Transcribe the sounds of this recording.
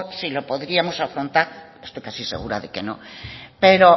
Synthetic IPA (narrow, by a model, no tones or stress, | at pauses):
silopoðɾiamosafɾont̪aɾest̪ojkasisḛɣ̞uɾa̰ðekenõ̰peɾo